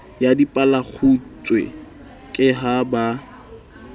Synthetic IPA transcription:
jadipʼalak͡xʰut͡sʼwḛ | kʼɪɦaba

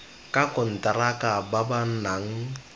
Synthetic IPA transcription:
kʼakʼʊn̩tʼaɾakʼababan̩naŋ̩

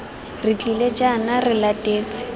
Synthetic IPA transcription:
rɪt͡ɬʼiled͡ʒanarɪlatʼeːt͡sɪ̥

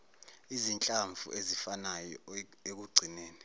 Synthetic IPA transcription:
izint͡ɬʼaɱvʱṵʔezifanajɔ̰ | ek̬uɡ͡ǀʱineːni

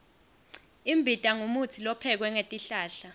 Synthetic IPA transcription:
imbʱitʼaŋumut͡sʰilɔpʰɛk̬wɛŋetʼiɬaːɬa

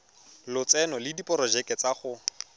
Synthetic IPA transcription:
lʊt͡sɛnɔlɪdipʼɔɾɔd͡ʒɛkʼɛt͡saχʊ

